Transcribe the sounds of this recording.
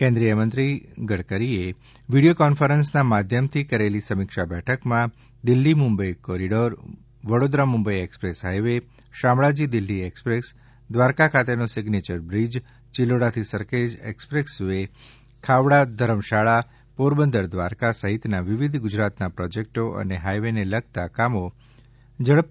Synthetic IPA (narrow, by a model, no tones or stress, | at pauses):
kɛ̃nd̪ɾijəmənt̪ɾiɡəɽkəɾie | ʋiɖijokɔnfəɾənsnamad̪ʱjəmt̪ʰikəɾelisəmikʃabɛʈʰəkmã | d̪ɪlːimʊmbəjkɔɾiɖoɾ | ʋəɽod̪ɾamʊmbəjekspɾesɦajʋe | ʃamɭad͡ʒid̪ɪlːiekspɾes | d̪ʋaɾkakʰat̪enosɪɡnet͡ʃəɾbɾid͡ʒ | t͡ʃiloɽat̪ʰisəɾked͡ʒḛkspɾeksʋe | kʰaʋɽad̪ʱəɾəmʃaɭa | puɾbənd̪əɾd̪ʋaɾkasəɦit̪naʋiʋid̪ʱɡʊd͡ʒɾat̪napɾɔd͡ʒek̚ʈoʔə̰neɦajʋeneləɡ̚ʱt̪akamo | d͡ʒəɭəp̚